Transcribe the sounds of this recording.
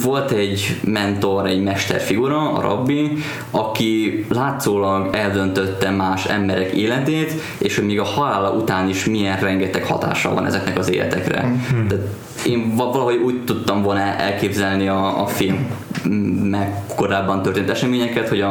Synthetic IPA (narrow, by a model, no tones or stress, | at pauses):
vo̞lt̪ɛɟmɛnt̪o̞ɾɛɟmɛʃt̪ɛ̰rfiɡuɾɒɒ̰ɾʔo̰bːi | ɒkilaːt̪soːlɒɡɛld̪ønt̪ø̞t̪ːɛmaːʃɛ̰mbɛɾɛkeːlɛt̪eːt̪ | eːʃhoɟmeːɡɒhɒlaːlɒʔut̪aːniʃmiɛnrɛŋɡɛt̪ɛkhɒ̰t̪a̰ːʃɒ̰vɒ̰nɛ̰zɛknɛkɒzḛːlɛ̰t̪ɛkrɛ̰t̪aːt̪ | eːɱvɒlɒɦo̞ɟuːct̪ːut̪ːɒɱvolnɛʔɛ̰lkeːbzɛlniɒːfilmː | ɛko̞ɾaːbːɒnt̪ørt̪eːnt̪ɛʃɛmeːɲɛkɛt̪ho̞ɟɒ